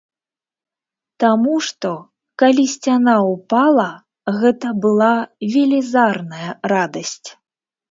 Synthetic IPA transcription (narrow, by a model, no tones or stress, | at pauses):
t̪amuʂt̪ɔ | kalʲisʲt͡sʲanaupalˠɐ | ɣɛt̪ɐbɨlˠavʲɛlʲizarnɐjɐrad̪ɐsʲt͡sʲ